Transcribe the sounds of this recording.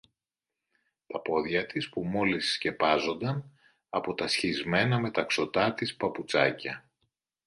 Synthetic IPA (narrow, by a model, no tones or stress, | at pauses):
t̪ɐpo̞ðʝɐt̪ispumo̞lisːce̞pɐzo̞nd̪ɐn | ɐpo̞t̪ɐsçizme̞nɐme̞t̪ɐkso̞t̪ɐt̪ispɐput͡sɐcɐ